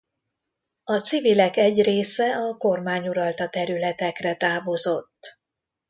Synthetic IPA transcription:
ɒt̪sivilɛkɛɟreːsɛɒko̞rmaːɲuɾɒlt̪ɒt̪ɛɾylɛt̪ɛkrɛt̪aːvo̞zo̞t̪ː

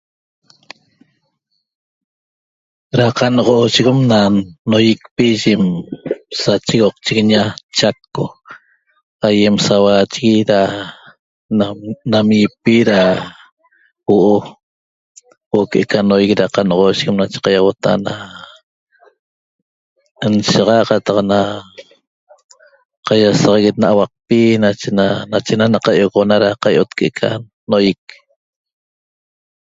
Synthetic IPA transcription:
ɾaqɑnʁoːʃiɣemnanojik̚piʒem | sat͡ʃiɣoq̚t͡ʃiɣɲat͡ʃakːo | aje̞msawaːt͡ʃiɣiɾa | namipiɾa | woʔo | woʔokeʔekanojɣɾaqanoʁoʃɣemnat͡ʃe̥qɑjawot̪a̰na | nʃaʁɑʔqɑt̪ɑqna | qajasɑʁɑɣet̪̚naʔawɑq̚pinat͡ʃenanat͡ʃenanaqajoɣonaɾaqajʔot̪keʔekʰa̰ | nojik̚

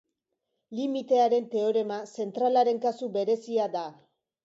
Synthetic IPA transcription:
limit̪e̞aɾe̞nt̪e̞o̞ɾe̞mase̞nt̪ɾalaɾe̞ŋkasube̞ɾe̞siad̪a

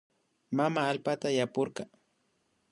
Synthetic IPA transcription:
mamaːlpat̪ajapoɾɢɑ

